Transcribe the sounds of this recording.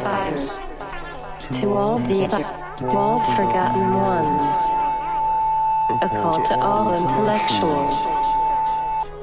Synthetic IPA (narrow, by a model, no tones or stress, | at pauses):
ãɪ̃mz̥ | tʰəɔlðiɛta | ɔlˠfɹəɡɑʔnn̩wʌ̃nz̥ | əkʰɔˑd̚tʰəʔɑlɪ̃ntʰəlɛk̚t͡ʃuəlˠz̥